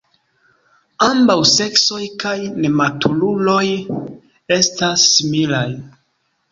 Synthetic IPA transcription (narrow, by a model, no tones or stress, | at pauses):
ambawse̞kso̞jkajne̞matʰululo̞j | e̞stasːimilaj